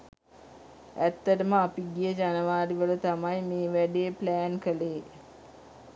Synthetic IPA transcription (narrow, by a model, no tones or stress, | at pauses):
æt̪ːəʈəməapiɡijəd͡ʒanəʋaːɾiʋələt̪amajmeːʋæɖeːplæːnkəleː